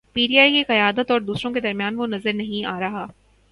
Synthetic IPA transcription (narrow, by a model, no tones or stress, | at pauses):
piːʈiaːikeqɐjaːd̪ət̪ɔːɾd̪uːsɾõked̪ɐɾmjaːnʋonɐzəɾnɐɦĩaːɾɐɦaː